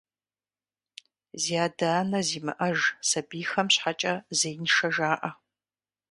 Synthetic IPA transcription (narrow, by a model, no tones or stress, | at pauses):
ziaːdaːnɐziːmɨ̰ʔɐʒsɐbiːxɐmɕħat͡ʃʼɐzejnʂɐʒaːʔɐ